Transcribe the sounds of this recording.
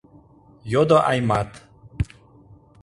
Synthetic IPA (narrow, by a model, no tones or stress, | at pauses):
jod̪oʔajmat̪